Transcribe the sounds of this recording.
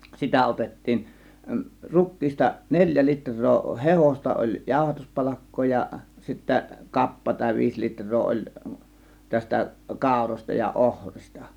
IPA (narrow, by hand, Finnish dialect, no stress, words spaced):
sitæ otetːiːn rukˑiːstɑ nelʲjæ litrˑoː hehostɑ olʲ jɑˑo̝hɑtuspɑlɑkːoː jɑ sitːæ kɑpːɑ tɑˑe̝ ʋiːs litrˑoː olʲ tæstæ kɑˑo̝rosʲtɑ jɑ ohristɑ